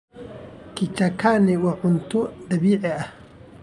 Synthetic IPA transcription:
kʰɪt͡ʃɐkʰaːnɪwɑʕʊnt̪ʰʊd̪ɐβiːʕɛɐh

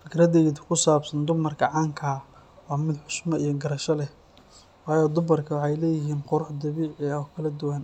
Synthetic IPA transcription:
fɪkʰɾɐðɛjd̪kʰʊsaːbsɐnd̪ʊmɐrkʰɐʕaːŋkʰɐ | wɑːmɪd̪ħʊʃmɐʔijɞɡɐɾɐʃɐlɛh | wɑːjɔd̪ʊmɐrkʰɐwɑħɑjlɛːjɪɦiːnqʊɾʊħd̪ɐβiːʕɛkʰɐlɐd̪ʊwan

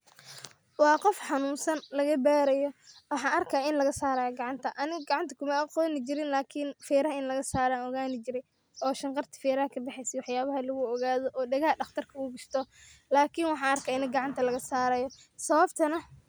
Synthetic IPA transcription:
wɑːqɔfħɑnuːnsɐnlɐɣɐbɛːɾɐjɔwɑħɑːɐrkʰaːɪnlɐɣɐsaːɾɐjɔɡɑʕɑnt̪ʰɐʔɐnɪɣɐɡɑʕɑnt̪ʰɐkʰʊmɐɐqɔːnɪt͡ʃɪɾɪnlaːkʰɪnfɛːɾɐhɐɪnlɐɣɐsaːɾaːnɔɣaːnɪt͡ʃɪɾɛj | ɔːʃɐɴqɑrt̪ʰɐ̥fɛːɾɐhɐkʰɐdɛħɛjsɛwɑħjaːβɐɦɐlɐɣʊɔɣaːðɔʔɔːɖɛɣɐhɐɖɑχt̪ʰɐrkʰɐʊɡʊʃt̪ʰɔlaːkʰɪnwɑħɑɐrkʰaːɪnɪɡɑʕɑnt̪ʰɐlɐɣɐsaːɾɐjɔ | sɐβɐbt̪ʰɐnɐ

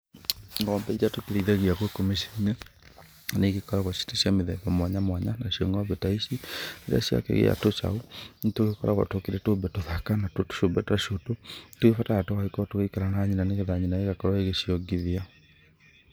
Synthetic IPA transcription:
ŋɡɔːmbɛiɾatokeɾeiðaɣiaɣwekomeʃɛine | neɣekɔɾaɣwaʃi̥taɕiameðɛ̰ðɔmwaɲamwaɲanaɕiɔŋɡaβetaiʃineɾa̰ɕja̰kɛ̰ɣḛa̰tot͡ʃa̰ontoɣekɔɾʔa̰ɣwa̰tokeɾɛtoːbɛtoðakanatto̥ʃombɛtaʃototoɣefatajatoaikɔtoɣeikaɾanaɲinaneɣeðaɲinaeɣakɔɾaeɣeɕiɔŋɡiðia

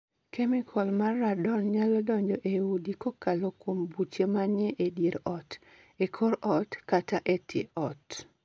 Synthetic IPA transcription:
kɛmɪkʰɔlmarːadɔnɲalɔdɔɲd͡ʒɔʔeudikokalokwombut͡ʃemaɲeʔediɾɔt | ekʰoɾɔtkataʔetʰjḛʔɔt

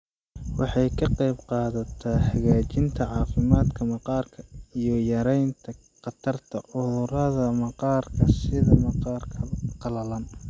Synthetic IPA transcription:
wɑħɑjkʰɐqɑjbqɑːðɐt̪ʰaħɐɣaːt͡ʃɪnt̪ʰɐʕɑːfɪmaːd̪kʰɐmɑqɑːrkʰɐijɞjɐɾɛjnt̪ʰɐ | qɑt̪ʰɐrt̪ʰɐʕʊðʊɾɐðɐmɑqɑːrkʰɐsɪðɐmɑqɑːrkʰɐqɑlɐlɐn

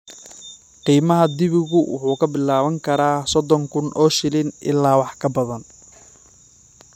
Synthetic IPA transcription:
qiːmɐɦɐd̪ɪβɪɣʊwʊ̰ħuːkʰɐbɪlaːβɐŋkʰɐɾaːsɔd̪ɔŋkʰʊnʔɔːʃɪlɪnʔɪ̰lːaːwɑħkʰɐbɐðɐn

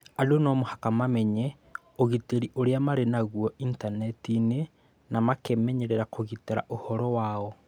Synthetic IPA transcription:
alonɔmohakamamɛɲɛ | oɣiteɾiʔoɾeamaɾenaɣwɔintanɛtine | namakemɛɲeɾeɾakoɣiteɾa̰ʔohɔɾɔwaːɔ

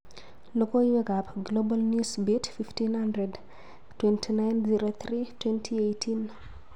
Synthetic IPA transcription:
lokoiwɛɡapɡlobalnjusbitfiftinhandɾɛd | twɛntʰinajnziɾot̪ɾitwɛntʰiejtʰin

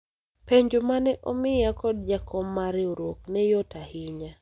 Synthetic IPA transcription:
peɲd͡ʒomanɛʔomɪjakɔdd͡ʒakʰɔmːaɾɪoɾwoknɛjɔtahɪɲa

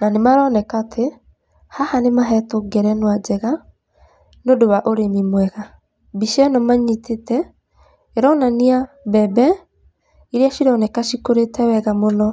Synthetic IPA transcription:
nanemaɾɔnɛkatʰe | hahanemaɦɛtoɡɛɾɛnwad͡ʒɛɣa | nodoβaʔoɾemimwɛɣa | biʃɛnɔmaɲitʰetɛ | eɾɔnaniabɛbɛ | iɾeaʃiɾɔnɛkaʃikoɾetɛwɛɣamonɔ

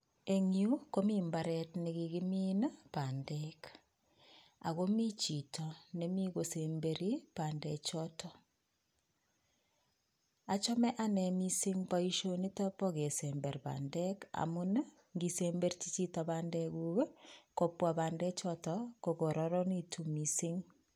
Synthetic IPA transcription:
eŋiukomimbaɾɛtniɣiɣiminpandek | a̰ɣomit͡ʃitʰɔnemiɣosembeɾipaːndet͡ʃɔtʰɔ | at͡ʃɔmɛʔanɛmisiŋpaiʃonitapɔɣesembeɾpa̰ndɛka̰mun | ŋɡisembeɾt͡ʃit͡ʃitɔbaːndɛɣuwekopwabaːndɛt͡ʃɔtɔkokoɾɔɾɔnitʰumisiŋ

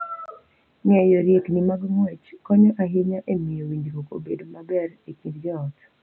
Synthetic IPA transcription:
ɲɛjoɾjeknimaɡmwɛt͡ʃkɔɲɔʔaɦɪɲaʔemijowiɲd͡ʒkoko̰bḛdomabɛɾekidɡɛɔt

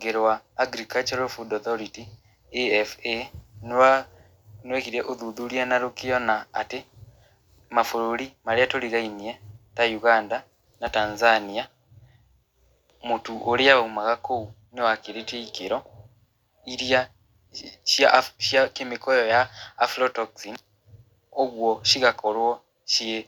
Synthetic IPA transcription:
ŋɡeɾwaːɡɾikat͡ʃaɾofudɔθoɾiti | efena | nwekiɾeʔoðuðuɾianaɾokijɔna̰ːte | mafoɾoɾimaɾeatoɾiɾainietajuɣaːnda | natanzania | mutuʔoɾeaumaɣakounewakiɾeteikeɾɔ | iɾja | ʃjaʃjakemikɔjɔjaːfɾɔtɔksin | oɣwɔʃiɣakoɾwɔ | ʃie

